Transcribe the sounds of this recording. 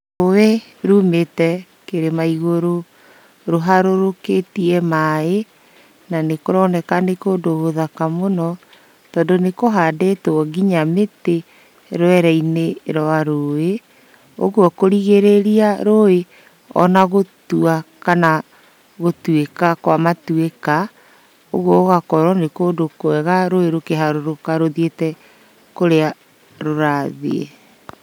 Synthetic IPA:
owe | ɾuːmetɛ | keɾemaiɣoɾo | ɾoɦaɾoɾoketiɛmae | nanekoɾɔnɛkanekoːndoɣoðakamonɔ | tɔːndonekoɦadetoɔɣiɲamete | ɾoɛɾɛineɾɔaɾoe | o̰ɣuɔkoɾiɣeɾeɾiaɾoe | ɔ̰naɣotuakana | ɣotwekakwamatweka | o̰ɣwɔɣakɔɾwɔnekodokoɛɣaɾoeɾokeɦaɾoɾokaɾoðetɛ | koɾea | ɾoɾaðḛḛ

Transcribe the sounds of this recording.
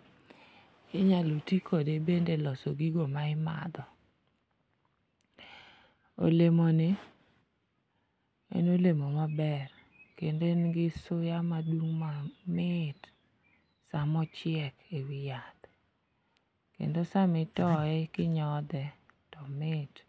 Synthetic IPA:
ɪɲalutikʰodebendelɔsoɡiɡomaɪma̰d̪ɔ | o̰lemonɪ | ḛnolemomabɛr | kendenɡɪsʊjamadwuŋmamɪt | samɔt͡ʃɪɛkewɪjat̪ | kḛndosamɪtɔɛkɪɲɔd̪ɛtɔmɪt

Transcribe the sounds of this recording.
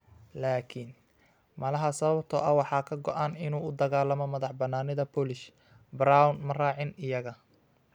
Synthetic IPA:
laːkʰin | mɐlɐɦɐsɐβɐb̚t̪ʰɔ̰ːʔɐwɑħɑːkʰɐɡɔʔaːnɪnuːʊd̪ɐɣaːlɐmɔmɐðɑħbɐnːaːnɪðɐpɔːlɪʃ | bɾawnmɐraːʕɪnɪjɐɣɐ

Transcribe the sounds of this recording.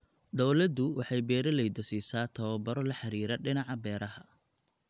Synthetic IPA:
d̪ɔwlɐd̪ʊwɑħɑjbɛːɾɐlɛjd̪ɐsiːsaːt̪ʰɐβɐbɐɾɔlɐħɑɾiːɾɐɖɪnɑʕɑbɛːɾɐɦɐ

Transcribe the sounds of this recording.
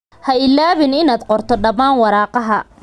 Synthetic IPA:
hɐɪlːaːβɪnɪnaːd̪qɔrt̪ʰɔɖɐmaːnwɑɾɑːqɑɦɐ

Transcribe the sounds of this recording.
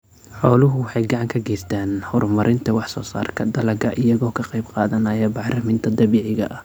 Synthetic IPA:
ħɔːlʊɦʊwɑħɑjɡɑʕɑŋkʰɐɡɛːst̪ʰaːnhɔrmɐɾʔɪnt̪ʰɐwɑħsɔːsa̰ːrkʰɐd̪ɐlɐɡɐʔɪjɐɣɔːkʰɐqɑjbqɑːðɐnɐːjɛbɑħrɐmɪnt̪ʰɐd̪ɐβiːʕɪɣɐ̰ʔɐ

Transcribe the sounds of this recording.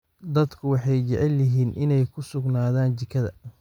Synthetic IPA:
d̪ɐd̪kʰʊwɑħɑjt͡ʃɛʕɛlːɐɦiːnʔɪnɛjkʰʊsʊɡnaːðaːnt͡ʃɪkʰɐðɐ̰

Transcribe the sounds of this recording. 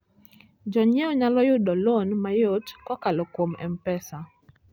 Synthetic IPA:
d͡ʒɔɲɛɔɲalɔjʊdɔlonmajotkɔkalɔkwomɛ̰mpɛsa

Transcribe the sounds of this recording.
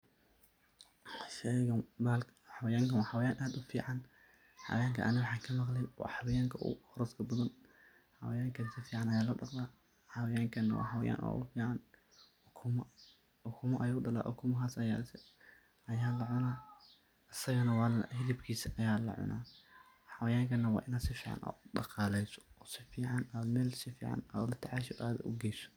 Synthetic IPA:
ʃɛɣɐbaːlħɑwɐjaːŋkʰɐwɑħɑwɐjaːnʔaːd̪ʊfḭːʕɑn | ħɑ̰wɐjaːŋkʰɐʔɐnɐwɑħɑːŋkʰɐmɑqlɛjwɑ̰ħɑwɐjaːŋkʰɐʔʊ̰hɔɾɔskʰɐbɐðɐn | ħɐ̰wɐjaːŋkʰɐsɐfiːʕɑnɐjaːlɐɖɑqd̪aː | ħɑwɐjaːŋkʰɐnwɑ̰ħɐwɐja̰ːnwa̰ʔʊ̰fiːʕɑnʰ | mɐ | ʊkʰʊmɐʔɐjoːɖɐla̰ːʔʊ̰kʰʊmɐɦaːsɐjas | ɐjaːlɐʕʊnaː | ɐsɐɣɐnɐwɑːlhɪðɪbkʰiːsɐʔɐjaːlɐ̰ʕʊ̰nʔa̰ː | ħɐwɐjaːŋkʰɐnːɐwɑ̰ːʔɪnaːd̪sɪfiːʕɑ̰nʔa̰ːɖɑ̰qɑːlɛjsɔ̥ɔːsɪfiːʕɑnaːd̪mɛːlsɪfḭːʕɑ̰na̰ːlɐt̪ʰɪʕɑːʃɔʔaːðɐ̰ʔʊ̰ɡɛːsɔ̥

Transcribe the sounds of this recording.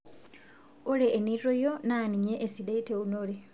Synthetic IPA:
oleːniɾɾojonaːniɲeʔesideiteunole

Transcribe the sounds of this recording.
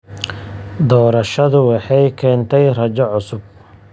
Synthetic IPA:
d̪ɔːɾɐʃɐðʊwɑħɑjkʰɛːnt̪ʰɛjrɐt͡ʃɐʕʊsʊb̚

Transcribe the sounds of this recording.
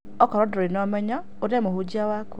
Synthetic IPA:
ɔkɔɾɔdoɾenɔmɛɲɔ | oɾɛmohud͡ʒiawaku

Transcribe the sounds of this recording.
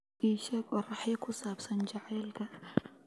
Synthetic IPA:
iːʃɛːɡɔːrɑħjɐkʰʊsaːbsɐnt͡ʃɑʕɛːlkʰɐ

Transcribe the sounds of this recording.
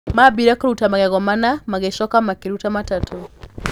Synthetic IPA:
mabiɾakoɾutamaɣɛɣɔmanamaɣeʃɔkamakeɾutamatatʰɔ

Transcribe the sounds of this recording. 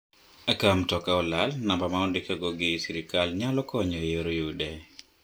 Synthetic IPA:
akamtɔkaɔlalnambamaɔndikaɡɔɡɪsiɾikalɲalɔkɔɲɔjeɾojudɛ

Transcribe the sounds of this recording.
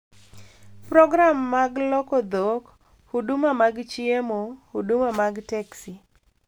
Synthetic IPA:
pɾɔɡɾamːaɡlɔkɔd̪ɔk | hudʊmamaɡt͡ʃiemohudumamaɡtɛksi

